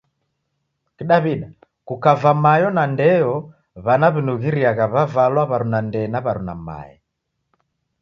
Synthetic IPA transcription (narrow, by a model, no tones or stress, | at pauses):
kiɗaβiɗa | kukavamajɔnandɛjɔ | βanaβinuɣiɾiaɣaβavalwaβaɾunandɛnaβaɾuna̰ma̰jɛ̰